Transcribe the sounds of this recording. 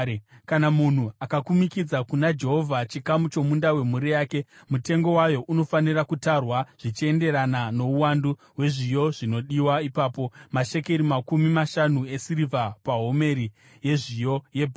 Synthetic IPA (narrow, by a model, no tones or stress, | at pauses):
kanamun̤uakakumikid͡zakunad͡ʒe̞ɦo̞vʱat͡ʃikamut͡ʃo̞mundawe̞muɾijaːke̞mute̞ŋɡo̞wajo̞ʔuno̞fanirakutarwaʐ̥it͡ʃie̞nde̞ɾanano̞uwanduɦwe̞ʐijo̞ʐino̞ɗiwaipaːpo̞maʃe̞keɾimakumimaʃanue̞sirivʱapaɦo̞me̞ɾi | je̞ʐijo̞je̞bʱ